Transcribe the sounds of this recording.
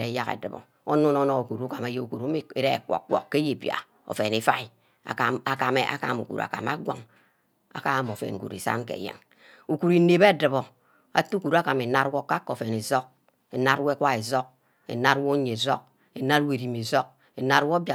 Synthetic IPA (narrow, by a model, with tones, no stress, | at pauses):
ɾe˨˦ja˦kḛ˨dɨ˨bɔ̰˨ | o˦nu˦no˦no˦˨o˨ku˨ɾu˦ka˨ma˨˦je˦u˨ku˨ɾu˦m˦e˨ɾe˦˨kʷɔ̰˨kʷɔ̰˨kːe˦je˨bja̰˨ | o̰˨fe˨ne˨fa˦i˨ | a̰˨a˦˨a˨ka˨me˦ʔa̰˦ka̰˦˨mṵ˨kṵ˨ɾa̰˨ka̰˨ma̰˦ɡʷa̰˨ŋ | a̰˨ka˦mo˨fḛ˨nŋ˨kṵ˨ɾḭ˨sa̰˦ŋ˦kḛ˨jḛ˦˨ŋ | u˨ku˨ɾi˨˦ne˨be˦˨dɨ˨βo˨ | a̰˨tu˦ku˨ɾu˦a˦ka˨me˨na˦ɾwo˦ka˦kːo˨fe˨ne˨zɔ˦k̚ | e˨na˦twe˦kʷa˦e˨zɔ˦k̚ | ḛ˨na˦ɾwo˦ɲe˨zo˦k̚ | e˨na˦ɾwe˦˨ɾi˨mi˨zo˦k̚ | e˨na˦ɾwo˦ba˨